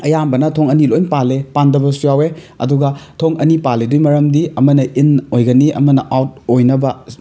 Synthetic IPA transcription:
ɐjambɐnɐtʰoŋɐnilojnpalepandɐbɐsujawe | ɐ̰duɡɐtʰoŋɐnipaledujmɐɾɐmdiɐmɐnɐʔinojɡɐniʔɐ̰mɐnɐʔawt̚ojnɐbɐ

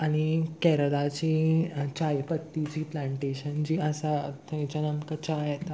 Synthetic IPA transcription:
aɽ̃ikɛɾəɽat͡ɕit͡ɕajpət̪ːit͡ɕiːplãɳʈeɕənt͡ɕiːəsat̪ʰə̃t͡ɕanənkət͡ɕajet̪a

